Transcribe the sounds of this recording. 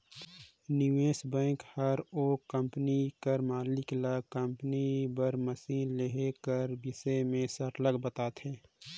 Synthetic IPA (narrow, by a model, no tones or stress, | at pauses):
nɪʋeːsbɛ̃ːŋkhəɾoːkə̃mpnikəɾmaːlɪklakə̃mpənibəɾməsiːnleɦekəɾbɪsemẽsəɾləɡbət̪aːt̪ɦɛː